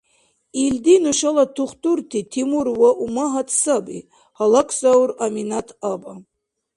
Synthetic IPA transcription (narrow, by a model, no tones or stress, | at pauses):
ild̪inuʃalatʰuχt̪ʼurt̪ʰitʰimuɾwaʔumaɦatʰsabḭ | halakʷʰsawraminat̪ʰaba